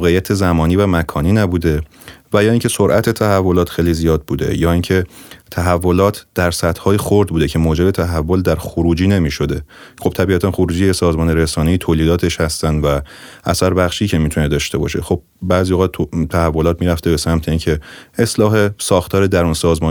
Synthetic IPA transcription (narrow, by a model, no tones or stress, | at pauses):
ɣeijæt̪ʰe̞zæmɒːniːvæmækʰɒːniːnæbuːd̪e̞ | væjɒːiːŋcʰe̞soɾʔæt̪ʰe̞t̪ʰæhævːo̞lɒːt̪xejlizijɒːd̪̚buːd̪e̞̰jɒːiŋcʰe̞t̪ʰæɦævːo̞lɒːt̪ʰd̪̥æɾsæt̪hɒːjexoɾd̪̚buːd̪ecʰe̞moːd͡ʒe̞bet̪ʰæɦævːo̞ld̪æɾxoɾuːd͡ʒiːne̞miːʃo̞d̪e̞xob̥̚t̪ʰæbiæt̪ʰænxoɾuːd͡ʒiːjesɒːzmɒːneɾesɒːneiːt̪ʰoːliːd̪ɒːt̪ʰe̞ʃhæst̪ænd̪væ | ʔæsæɾbæxʃiːcʰemiːt̪ʰune̞d̪ɒːʃt̪e̞bɒ̰ːʃexo̞b̚bæːzijoɣɑt̪ʰt̪ʰæhævːo̞lɒːt̪̚miːɾæft̪e̞be̞sæmt̪ʰe̞iːncʰe̞eslɒːɦe̞sɒːxt̪ʰɒːɾed̪æɾunsɒːzmɒː